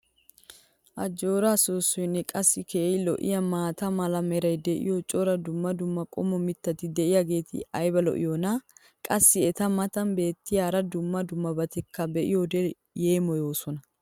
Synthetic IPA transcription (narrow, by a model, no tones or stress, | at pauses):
ʔɐd͡ʒo̞ːɾaːsoːsːɔjnːɛkʼɐsːɪkeːjlɔ̰ʔɪ̰jɐmaːt̪ɐmɐlɐmɛɾɐjd̪ɛʔɪ̰jot͡ʃʼɔɾɐd̪ʊmːɐd̪ʊmːɐkʼɔmɔmɪt̪ːɐt̪ɪd̪ɛʔɪjaɡe̞ːt̪ɪ̰ɐjbɐlɔ̰ʔɪ̰jonɐ | kʼɐsːɪɛt̪ɐmɐt̪ɐnbe̞ːt̪ːɪjaːɾɐd̪ʊmːɐd̪ʊmːɐbɐt̪ɛkʰːɐbɛʔɪ̰jod̪ɛ | jeːmɔjo̞ːsɔnɐ